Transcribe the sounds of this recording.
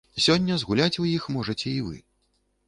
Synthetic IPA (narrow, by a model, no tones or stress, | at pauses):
isʲɔnʲːɐzɣulʲat͡sʲujixmɔʐɐt͡sʲɛivɨ̰